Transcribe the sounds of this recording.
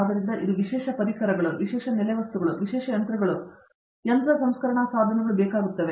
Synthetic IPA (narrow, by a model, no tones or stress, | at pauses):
d̪ɐɾind̪ɐʔid̪uʋiʃɛːʂɐpɐɾikʰɐɾɐɡɐɭuʋiʃɛːʂɐnɛlɐjɐʋɐst̪uɡɐɭuʋiʃɛːʂɐjɐnt̪ɾɐɡɐɭu | jɐnt̪ɾɐsɐmskɐɾɐɳɐsaːd̪ʱɐnɛɡɐɭubɛːkaːɡut̪ːɐʋe